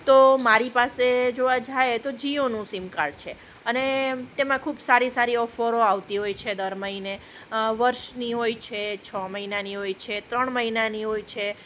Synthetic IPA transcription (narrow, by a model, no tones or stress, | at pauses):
t̪omaɾipased͡ʒoʋad͡ʒaet̪od͡ʒionũsimkaɽt͡ʃʰe | ənet̪emãkʰubsaɾisaɾiɔfoɾoaʋt̪iɦojt͡ʃʰed̪əɾməɦine | ʋəɾʃniɦojt͡ʃʰet͡ʃʰɔməɦinaniɦojt͡ʃʰet̪ɾəɳməɦinaniɦojt͡ʃʰe